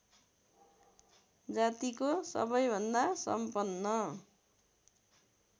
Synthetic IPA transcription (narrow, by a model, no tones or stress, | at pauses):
d͡zat̪ikosʌ̰bʌjbʱʌnd̪asʌ̰mpʌnːʌ